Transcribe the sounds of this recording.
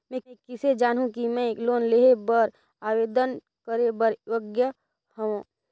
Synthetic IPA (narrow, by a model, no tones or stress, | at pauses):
mɛ̃kɪsed͡ʒaːnɦũkimɛ̃ekloːnleːɦebəɾ | aːweːd̪ən | kəɾebəɾəɡjə | hɐõ